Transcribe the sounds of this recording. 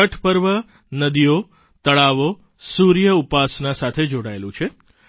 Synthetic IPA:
əʈʰpəɾʋə | nəd̪ijo | t̪əɭaʋo | suɾjəupasnasat̪ʰed͡ʒoɽaelũt͡ʃʰe

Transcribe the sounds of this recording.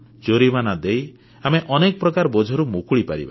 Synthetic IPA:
d͡ʒoɾibanad̪ej | ameʔɔnekɔpɾɔkaɾbɔd͡ʒʱɔɾumukuɭipaɾḭba̰

